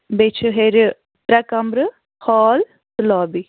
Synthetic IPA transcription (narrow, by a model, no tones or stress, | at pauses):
bet͡ʃʰɦeɾ | ʈɾɐkɐmɾə | hɔːl | t̪lɔːbi